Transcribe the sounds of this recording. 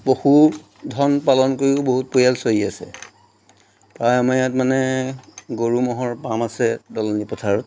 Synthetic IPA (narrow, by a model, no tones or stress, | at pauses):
poxu | dʱɔnpalɔnkoɹiʊboɦut̚pojalsojiasɛ̰ | pɹajamajatmanɛ | ɡoɹumɔɦɔɹpamasɛdɔlɔnipɔtʰaɹɔt̚